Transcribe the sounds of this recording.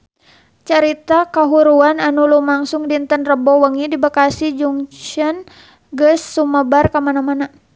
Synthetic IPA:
t͡ʃaɾit̪akaɦuɾuananulumaŋsuŋdint̪ənrəbɔwəŋidibakasid͡ʒuŋt͡ʃən | ɡəsːuməbarkamanamana

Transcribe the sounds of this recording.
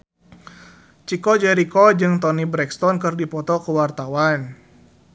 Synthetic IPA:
t͡ʃikɔd͡ʒɛɾikɔd͡ʒɨŋt̪ɔnibɾɛkst̪ɔnkɨrdipɔt̪ɔkəwart̪awan

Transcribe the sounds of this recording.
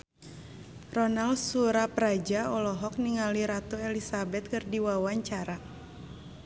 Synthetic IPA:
rɔnalsuɾapɾad͡ʒaɔlɔɦɔk̚niŋaliɾat̪uɛlisabɛt̪̚kɨrdiwawaɲt͡ʃaɾa

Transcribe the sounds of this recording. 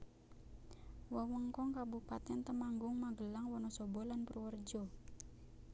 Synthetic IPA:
wəwəŋkɔŋkabupat̪ɛnt̪əmaŋɡʊŋmaɡəlaŋwɔnɔsɔbɔlanpəruwərd͡ʒɔ

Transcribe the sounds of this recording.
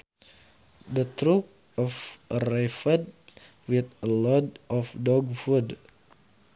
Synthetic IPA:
dət̪ɾup̚ | ɔfɾɛfəd̚ | wit̪əlɔdʔɔfdɔɡfud

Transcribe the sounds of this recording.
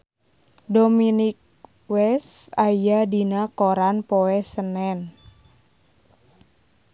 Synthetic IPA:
dominik̚ | wɛsajadinakoɾanpoɛsənɛn

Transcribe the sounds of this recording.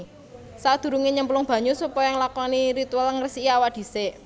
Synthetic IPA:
sad̪̥ṳɾuŋeɲəmplʊŋb̥ä̤ɲusupɔjɔŋlakɔniɾit̪ualŋərsiʔiawaʔd̪̥i̤seʔ

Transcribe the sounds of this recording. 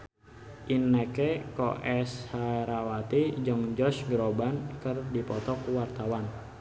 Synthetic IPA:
ʔinːɛkɛkɔ̰ʔɛshaɾawat̪id͡ʒəŋd͡ʒɔsɡɾobankərdipɔt̪ɔkwart̪awan

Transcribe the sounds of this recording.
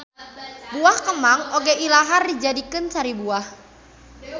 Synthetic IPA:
buahkəmaŋoɡɛʔilaɦardid͡ʒadikɨnsaɾibuah

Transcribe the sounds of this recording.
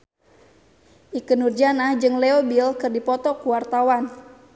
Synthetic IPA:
ʔikənurd͡ʒanahd͡ʒɨŋlɛobilkɨrdipɔt̪ɔkuwart̪awan

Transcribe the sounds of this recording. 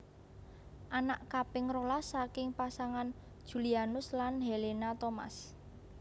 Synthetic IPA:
ʔanaʔkapɪŋrolasakɪŋpasaŋan̥ | ʒ̥ṳlianʊslanɦelenat̪oma̰s

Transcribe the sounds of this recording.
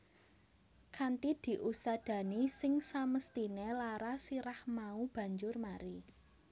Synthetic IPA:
kʰant̪id̪̥i̤ʔust̪ad̪̥ä̤nisɪŋsaməst̪inelaɾasiɾahmaub̥ä̤ɲd͡ʒʊrmaɾi

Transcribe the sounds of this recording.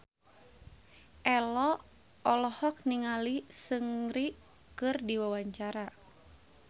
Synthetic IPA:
ʔɛlɔ | ɔlɔhɔk̚niŋalisɨŋɾi | kɨrdiwawaɲt͡ʃaɾa

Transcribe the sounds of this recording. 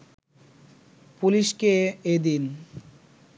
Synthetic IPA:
puliʃkeed̪in

